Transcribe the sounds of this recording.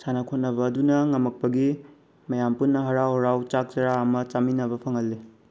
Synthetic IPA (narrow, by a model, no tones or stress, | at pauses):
sanɐkʰot̚nɐbɐːdunɐŋɐmɐk̚pɐɡi | mɐjampunːɐɦɐɾawhɐɾawt͡ʃak̚t͡ʃɐɾaɐmɐt͡ʃaminɐbɐpʰɐŋɐlːi